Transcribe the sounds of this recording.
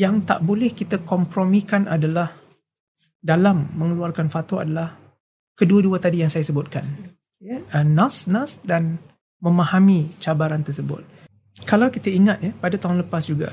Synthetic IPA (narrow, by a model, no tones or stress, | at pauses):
jaŋt̪a̰ʔbolɛhkit̪akɔmpɾɔmĩkanadalah | dalamːəŋəluarkanfat̪oa̰dalah | kəduaduat̪adijaŋsajasəbʊt̪̚kan | jəənasnasdan | mə̃mahamĩt͡ʃabaɾant̪ərsəbʊ̰t̪̚ | kalawkit̪aiŋat̪̚japadat̪aɦʊŋnləpasd͡ʒuɡa̰